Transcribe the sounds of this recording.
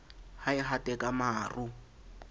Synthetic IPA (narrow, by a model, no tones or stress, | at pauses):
haɪɦatʼɛkʼamaːru